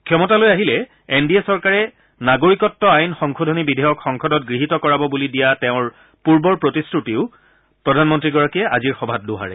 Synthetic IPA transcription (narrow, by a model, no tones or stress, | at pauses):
kʰjɔmɔtalojaɦilɛ | endiesɔɹkaɹɛ | naɡoɹikɔtːɔajnxɔŋkʰodʱɔnibidʱɛjɔkxɔŋkʰɔdɔtɡɹiɦitɔkɔɹabɔbulidijatɛʊ̃ɹ | puɹbɔɹpɹotistutiʊ | pɹɔdʱanmɔntɹiɡɔɹakiɛʔaziɹxɔbʱat̚dʊɦa̰ɹɛ̰